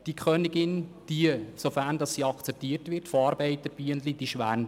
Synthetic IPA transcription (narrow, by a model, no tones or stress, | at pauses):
d̥ikʰøːnɪɡɪnd̥iəsofæɾndɑsːiːɑkt͡sɛp̚tiːəɾtʋɪtfoɑːɾbɛɪtəb̥yəndlid̥iʃʋæn